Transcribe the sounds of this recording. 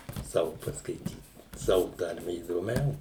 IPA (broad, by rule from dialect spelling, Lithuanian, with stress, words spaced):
ˈsɑːʋʊ pɐskɐɪˈtʲiːt ˈsɑːʋʊ ˈtɐrʲmʲɛ iːdoːˈmʲɛʊ